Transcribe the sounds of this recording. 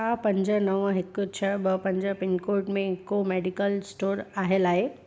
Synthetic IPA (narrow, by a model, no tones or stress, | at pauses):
apəɲd͡ʑənəʋə̃ɦekːʊt͡ɕʰəɭbəpə̃ɲd͡ʑəpɪnkoɾʈmẽːkːomeɖikəlsʈoːɾaɦelaɦe